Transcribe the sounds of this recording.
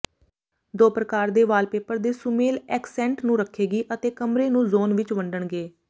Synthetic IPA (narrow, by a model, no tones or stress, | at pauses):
d̪oːpɾəkaːɾd̪eːʋaːlpeːpəɾd̪eːsʊmeːlɛːksɛ̃ːɳʈnũːɾəkʰːeːɡiːʔət̪eːkəmɾeːnũːzoːnʋɪt͡ʃʋəɳɖəɳɡeː